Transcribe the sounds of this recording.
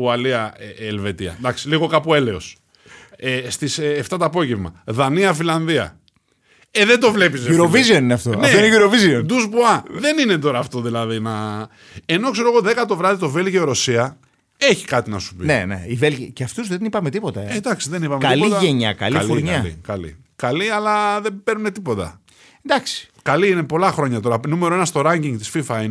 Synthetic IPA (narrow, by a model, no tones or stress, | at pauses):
uɐliɐeelve̞t̪iɐ̰d̪ɐksiliɣo̞kɐpue̞le̞o̞s | est̪isːft̪ɐt̪oɐːpo̞ʝevmɐ̰ðɐniɐfilɐnðiɐ̰ | eðend̪o̞vle̞pis̬euɾovizio̞nineɐft̪oɐn̰eoineʝuɾoviziond̪uzbuɐðe̞nine̞t̪o̞ɾɐːft̪o̞ðilɐðinɐ | e̞no̞kseɾoɣoðe̞kɐt̪o̞vɾɐðit̪o̞ve̞lʝioɾo̞siɐ | eçi̥kɐt̪inɐsu̥pinḛnḛivelʝiceɐft̪uzðenipɐmet̪ipo̞t̪ɐed̪ɐksiðenipɐmeɐlit̪ʝeɲɐ̰kɐ̰liɐloɾɲɐlḭkɐlḭ | kɐliɐlɐðebe̞ɾnune̞t̪ipo̞t̪ɐ̰ | nd̪ɐksi̥ | kɐliine̞po̞lɐxɾo̞ɲɐt̪o̞ɾɐnumeɾo̞e̞nɐst̪o̞ɾɐɲɟiŋɡt̪i̥sfifɐin